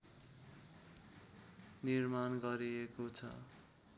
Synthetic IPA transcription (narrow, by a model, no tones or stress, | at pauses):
nirmanɡʌɾiekot͡sʰʌ̰